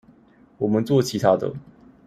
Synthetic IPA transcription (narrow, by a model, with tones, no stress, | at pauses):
wɔ˨˩mə˦nt͡swɔ˥˩t͡ɕʰi˧˦˥t̪ʰa˥d̪ə̰˨